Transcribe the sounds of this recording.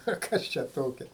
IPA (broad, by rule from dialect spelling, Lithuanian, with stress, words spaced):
oː ˈkɐs t͡ʃʲɛ ˈtoːkʲɛ